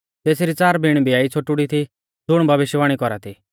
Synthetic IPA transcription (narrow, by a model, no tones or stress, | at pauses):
t̪eːsɾit͡saːɾbʱiɽ̃bʱiaːit͡sʰoʈuɽit̪ʰi | d͡zʱʊɽ̃bʱɐʋɪʃjʋaːɽ̃ikɔɾat̪ʰi